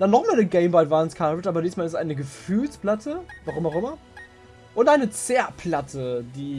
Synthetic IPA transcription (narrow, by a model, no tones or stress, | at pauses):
d̥anːɔχmaːlnəɡeɪmbaɪvanskʰavətʔaːbɐdiːstmaːlɪsʔaɪnəɡəfyːlsplatʰəvaʁʊmaʊxʔɪmɐ | ʔʊntʔaɪnət͡sɛːɐpʰlatʰədiː